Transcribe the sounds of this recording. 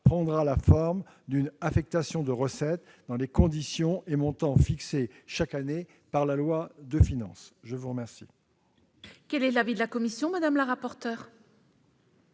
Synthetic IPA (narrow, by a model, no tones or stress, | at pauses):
pχɑ̃d̪ʁalafɔʁm | d̪ynafɛk̚t̪asjɔ̃d̪əʁəsɛt̪̚d̪ɑ̃lekɔ̃d̪isjɔ̃ʔemɔ̃t̪ɑ̃fikseʃakane | paʁlalwad̪əfinɑ̰̃sʒəvuʁəmɛʁsḭ | kɛlɛlavid̪əlakɔmisjɔ̃mad̪amlaʁapɔʁt̪œːʁ